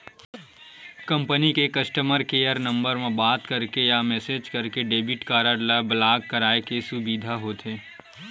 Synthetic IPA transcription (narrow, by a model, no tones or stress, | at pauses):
kɐ̃mpənikekɐsʈəməɾkeːjəɾnɐ̃mbəɾmẽbaːt̪kɐɾkejamɛːseːd͡ʒkɐɾkeɖeːbɪʈkaːɾəɾlabɐlaːɡkɐɾaːekesʊbiːd̪ʱaɦoːt̪eː